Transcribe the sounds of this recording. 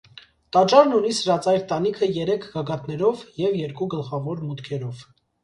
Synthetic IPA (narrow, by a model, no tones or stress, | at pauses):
t̪ɑt͡ʃɑɾnunisəɾɑt͡sɑjɾt̪ɑnikʰəjɛɾɛkʰɡɑɡɑt̪nɛɾɔvjɛvjɛɾkuɡəlχɑvɔɾmut̪kʰɛɾɔv